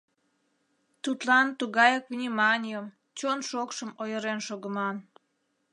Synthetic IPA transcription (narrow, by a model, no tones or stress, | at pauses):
t̪ut̪lɑnt̪uɣɑjəkvnʲimɑnʲijəm | t͡ɕonʃokʃəmojəɾenʃoɣəmɑn